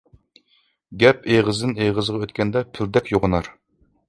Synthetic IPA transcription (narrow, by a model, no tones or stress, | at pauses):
ɡʲɛpeʁəzd̪ɨneʁəzʁɑøt̪kʲɛnd̪ɛpʰɪld̪ɛkʲjoʁənɑɾ